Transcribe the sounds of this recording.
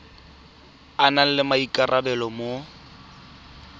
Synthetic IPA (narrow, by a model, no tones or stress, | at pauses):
anal̩lɪmaikʼarʔabɛlɔmo